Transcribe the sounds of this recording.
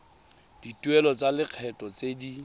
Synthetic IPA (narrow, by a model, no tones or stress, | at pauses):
d̥itʼwɛlɔt͡sʼalɪq͡χʰɛtʼɔt͡sʼedi